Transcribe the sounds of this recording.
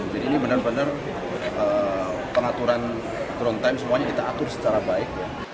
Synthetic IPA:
d͡ʒadiːnibənərbənər | əpəŋat̪uɾan | t̪ɾɔnt̪ajmsəmuaɲakit̪aːt̪ʊrsə̥t͡ʃaɾabaɪk̚ja

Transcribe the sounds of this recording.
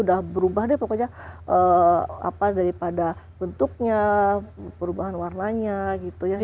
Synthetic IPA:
udahbəɾubaɦandipakad͡ʒaʔəa̰padaɾipadabənt̪uk̚ɲa | pəɾubaɦanwarnaɲaɡit̪uja

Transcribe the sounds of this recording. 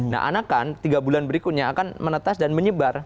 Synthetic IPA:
na̰ʔa̰nakant̪iɡabulanbəɾikut̪̚ɲaakanmənət̪asdanməɲəbar

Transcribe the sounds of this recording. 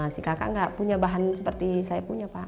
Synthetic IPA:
sikaka̰ŋɡaʔpuɲabaɦansəpərt̪isajapuɲapa

